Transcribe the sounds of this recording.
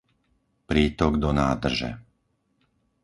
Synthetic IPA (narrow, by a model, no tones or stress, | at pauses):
pɾiːt̪ɔɡd̪ɔnaːd̪r̩ʒɛ̰